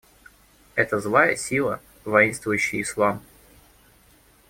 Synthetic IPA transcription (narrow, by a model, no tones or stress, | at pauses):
ɛt̪əzlˠajəsʲilˠə | vɐinst̪vʊjʉɕːɪjɪslˠam